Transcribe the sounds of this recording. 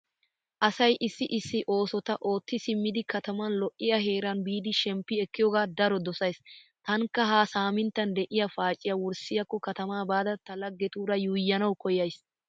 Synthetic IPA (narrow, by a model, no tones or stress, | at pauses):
ʔɐsɐjʔɪsːɪʔɪsːɪʔo̞ːsɔt̪ɐʔo̞ːt̪ːɪsɪmːɪd̪ɪkɐt̪ɐmɐnlɔʔːɪjɐɦe̞ːɾɐnbiːd̪ɪʃɛmpːɪɛkːɪjɔːɡaːd̪ɐɾɔd̪ɔsɐjst̪ɐŋkːɐɦaːsaːmɪnt̪ːɐnd̪ɛʔɪjɐfaːt͡ʃʼːɪjɐwʊɾsɪjɐkːɔkɐt̪ɐmaːbaːd̪ɐt̪ɐlɐɡːɛt̪uːɾɐjuːjːɐnɐwkɔjɐjs